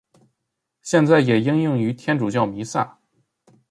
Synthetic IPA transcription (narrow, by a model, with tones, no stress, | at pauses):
ɕjɛ˥˧nt͡sa˥˩ɪjɛ˨˩i˥ŋjʊ˥˩ŋy˧˥t̪ʰjɛ˥nʈ͡ʂu˨˩t͡ɕjɑ˥˩ʊmi˧˥sa̰˥˩